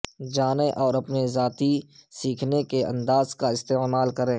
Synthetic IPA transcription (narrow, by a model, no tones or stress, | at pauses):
d͡ʒaːneʔɔːɾɐpnezaːt̪isiːkʰnekeɐ̰̃nd̪aːzkaɪst̪eːmaːlkɐɾẽː